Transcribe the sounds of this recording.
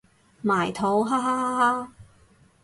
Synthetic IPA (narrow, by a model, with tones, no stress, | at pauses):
maː˨˩jt̪ʰo˨˥wɦa˥ɦa˥ɦa˥ɦa˥